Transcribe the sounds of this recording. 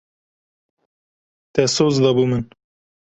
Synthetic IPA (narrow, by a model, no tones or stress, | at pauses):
t̪ɛsoːzd̪ɑbumɨn